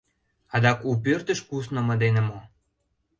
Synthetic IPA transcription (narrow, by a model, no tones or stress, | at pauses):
ɑd̪ɑkup̬ørt̪ə̆ʃkusnŏmɤ̆d̪enemo